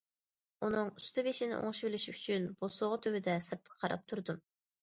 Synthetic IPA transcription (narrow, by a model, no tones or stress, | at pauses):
unɨŋyst̪ɨbeʃɪnɪ̰ʔo̰ŋʃbɪlɪʃyt͡ʃʰynb̥osoʁʊt̪ʰøwɪd̪ɛsɨɾt̪ʰə̥qʰɑɾɑ̰p̚t̪ʰuɾd̪um